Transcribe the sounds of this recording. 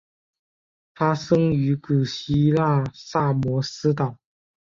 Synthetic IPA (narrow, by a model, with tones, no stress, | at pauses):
fa˥ʂɤ˥ŋy˧˥ku˨˩ɕi˥la˥˧sa˥˩mwɔ˧˥sɹ̩˥t̪ɑ˨˩ʊ